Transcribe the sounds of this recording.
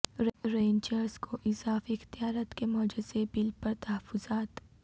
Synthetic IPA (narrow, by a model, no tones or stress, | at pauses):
ɾẽːnt͡ʃəɾzkʰoʔɪzaːfɪxt̪ijaːɾat̪kemɔːd͡ʒɪzebɪlpɐɾt̪ɐɦəfːʊzaːt̪